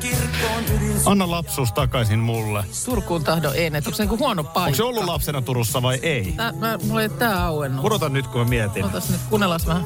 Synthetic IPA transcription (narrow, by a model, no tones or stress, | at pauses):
kirkoɑnːɑlɑpsuːst̪ɑkɑisinmulːet̪urkˑuːnt̪ɑhdoʔenːet̪oŋkseniŋkuhuɑnopːɑokseolːulɑpsenɑt̪uɾusːɑʋɑiʔeit̪æmæmot̪t̪æːɑuenːuɾot̪ɑnnyt̪kumæmiæt̪iot̪ɑsnyt̪kunːelɑsʋæhæ